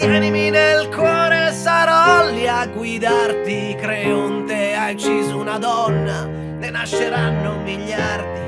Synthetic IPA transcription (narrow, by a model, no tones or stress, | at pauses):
jjɛniminelkwɔːɾesaɾɔlːiaɡːwid̪art̪i | kɾɛunt̪eajt͡ʃːiːzunad̪ɔnːa | nenaʃːeɾanːomːiʎːart̪i